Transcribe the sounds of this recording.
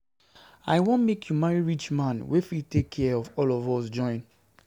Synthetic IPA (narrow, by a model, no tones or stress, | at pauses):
a̰ɪwõnmekʰjumaɹiɹit͡ʃmãnwefitekʰːɛɔvɔlɔvɔsd͡ʒɔ̃ɪ̃n